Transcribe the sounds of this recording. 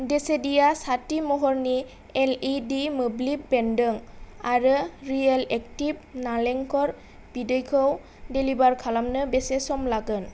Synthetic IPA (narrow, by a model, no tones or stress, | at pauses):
desedijasatimɔɦɔɹni | ɛlidimoblibbɛndɯŋaɹɯɹialɛk̚tibnalɛŋkɔɹ | b̥idejkʰɔw | delibaɹkʰalamnɯbɛsɛsɔmlaɡɯn